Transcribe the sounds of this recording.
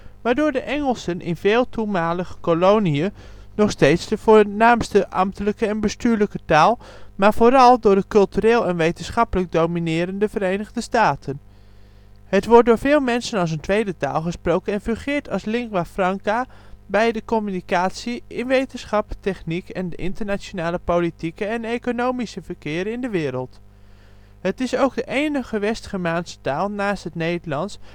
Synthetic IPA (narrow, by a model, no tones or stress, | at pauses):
ʋaːɹdʊːɹdəʔɛŋəlˠsənʔɪ̰nvɪːlˠtumaːləχəkolowniə | nɔχstejtsdəvʊːnaːmstəʔɑ̰mtələkəɛnbəstyːɹləkətaːlˠ | maːɹvoːɾɑlˠdʊːɹdəkɵlˠtyɾeːlˠɛnʋejtənsχɑpələɡ̚dowminɪːɾəndəvəɾejnəʁdəstaːtən | ɦətʋɔɹt̚dʊːɹvɪːlˠmɛnsənɑlˠs̬əntʋejdəta̰ːlˠχəsprowkənɛnfɵχɪːɹtʰɑlˠslɪŋkʋafrɑŋkabɛjdəkɔmynikaːtsiɪnʋejtənsχɑptɛχnikɛndəʔɪ̰ntəɹnaːt͡ʃonaːləpowlitikəɛnejkonowmisəvəɹkɪːɾɪndəʋɪːɾəlˠt | ɦətɪsowɡ̚dəʔejnəχəʋɛstχəmaːnsə̥taːlˠnaːstɦətnejdəlɑns